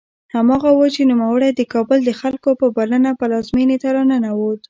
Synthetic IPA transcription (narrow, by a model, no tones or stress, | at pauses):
hamɑɣawət͡ʃenumawəɽajd̪əkɑbəld̪əxalkopəbalənapəlɑzminet̪aɾanənawot̪